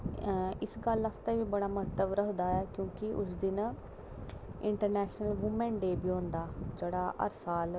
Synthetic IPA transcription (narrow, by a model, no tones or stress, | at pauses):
ɪsɡələst̪eːʋiːbəɽaːməɦət̪ːəʋɾəɦd̪aːɛːkjõːkɪʔʊ̰sd̪ɪn | ɪɳʈəɾnɛːʃnəlʋʊmɛ̃ːɳɖeːbiːõːnd̪aːd͡ʒeːɽaːʔə̰ɾsaːl